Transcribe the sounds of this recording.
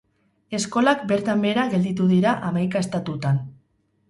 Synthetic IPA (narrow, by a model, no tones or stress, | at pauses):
e̞sko̞lakbe̞ɾt̪ambe̞ɾaɣe̞ld̪it̪uðiɾaʔamajkaest̪at̪ut̪an